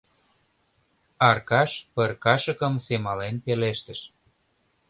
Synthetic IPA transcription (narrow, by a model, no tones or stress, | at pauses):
ɑrkɑʃpərkɑʃə̆kə̆msemɑlenpeleʃt̪ə̆ʃ